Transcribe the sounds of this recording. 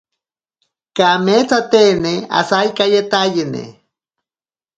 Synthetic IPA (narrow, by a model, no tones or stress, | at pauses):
kamet͡sat̪enea̰sajkajet̪ajinḛ